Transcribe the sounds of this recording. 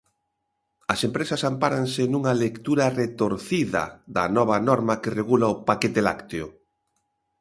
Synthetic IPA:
ɐsempɾesɐsampaɾansenuŋɐlekt̪uɾɐret̪oɾθiðɐ̰ðɐ̰nɔβ̞ɐnɔɾmakereɣulaopaket̪ela̰kt̪eʊ

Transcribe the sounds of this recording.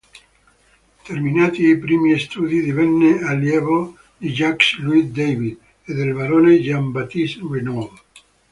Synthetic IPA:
t̪erminaːt̪iipɾiːmiest̪uːd̪id̪ivɛnːealjɛːvo | d̪id͡ʒaksluisd̪ejvid̪ | ed̪elvaɾoːned͡ʒambat̪iswenov

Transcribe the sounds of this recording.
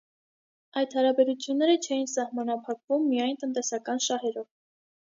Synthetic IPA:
ɑjd̪hɑɾɑbɛɾut͡sʰjunːɛɾət͡ʃʰɛjinsɑhmɑnɑpʰɑkvumːijɑjnt̪ənt̪ɛsɑkɑnʃɑhɛɾɔv

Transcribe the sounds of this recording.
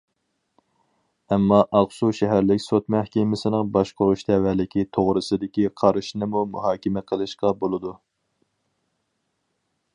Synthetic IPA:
ɛmːɑʔɑʁsuʃɛɦæɾlɪkʲsot̪mæhkʲɛmɪsɪnɨŋbɑʃqoɾuʃd̪ʰɛvælɪkʲit̪ʰoʁɾɨsɨd̪ɪkʲiqʰɑɾɨʃnɨmumṵɦɑːkʲɪmɛqʰəlˠɨʃqɑbolˠɨd̪u

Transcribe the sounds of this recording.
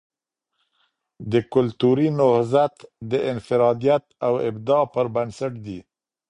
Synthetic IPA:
d̪əkʊlt̪uɾinʊhzat̪d̪əʔɪnfɪɾɑd̪ijat̪̚awɪ̰bd̪ɑpəɾbansaʈd̪i

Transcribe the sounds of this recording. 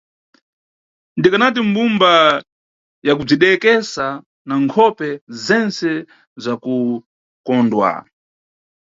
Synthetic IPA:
ndikanat̬im̩bumba | jak̬ub͡ʐiɗɛkɛsa | naŋkʰɔpɛzɛnsɛ | zaku | kɔndwa̰

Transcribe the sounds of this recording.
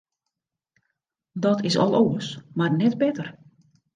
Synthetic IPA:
dɔtʰɪsɔ̰lˠoəsmarnɛt̚bɛtər

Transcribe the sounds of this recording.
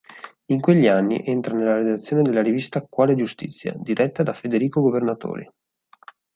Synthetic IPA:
iŋkweʎːianːḭʔent̪ɾanelːaɾed̪at̪sːjoːned̪elːaɾivist̪akːwaːled͡ʒust̪ḭt̪sːja̰d̪iɾɛt̪ːad̪afed̪eɾiːkoɡovernat̪o̰ːɾḭ

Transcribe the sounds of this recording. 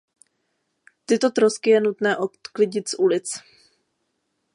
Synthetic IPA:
t̪ɪt̪o̞t̪ɾoskɪjɛnut̪nɛːʔot̪klɪɟɪt̪sʔulɪt͡s

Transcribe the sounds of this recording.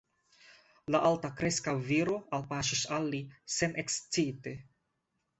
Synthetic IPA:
laʔaltakɾeskaviɾo̞alpaʃisalːise̞nʔekst͡site

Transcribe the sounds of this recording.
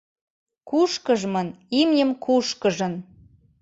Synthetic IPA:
kuʃkəʒmənimnʲəmkʰuʃkəʒə̆n

